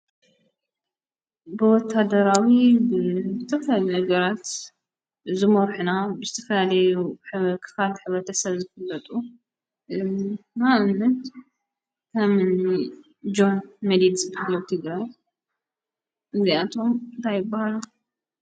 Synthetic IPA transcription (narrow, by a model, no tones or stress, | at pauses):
bɨwɔt̪ʰːad̪ɐɾawibɨzɨt̪ʰɐfɐlalinɐɡɐɾat̪ | zɨmɐɔɾħunabɨzɨt̪ʰɐfɐlalɐjuħkʰɨ̥falħɨβɾɐt̪ʰɐsɐβzɨfɨlːɐt̪ʼu | naʔɨnːɨt̪ | kʰɐmn | d͡ʒo̞nmɐd̪id̪zɨbahalːowt̪ʰɨɡɾaj | ʔɨnziat̪ʰo̞mɨnt̪ʰajːɪbːahalu